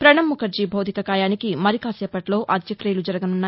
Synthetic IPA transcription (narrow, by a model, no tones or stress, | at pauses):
pɾɐɳɐmmːukʰɐɾd͡ʒibʱɐwd̪ʱikɐkaːjaːnikimɐɾikaːsɛːpːɐʈlo̞ːʔɐd̪jɐkɾeːlud͡ʒɐɾɐɡɐnunːaː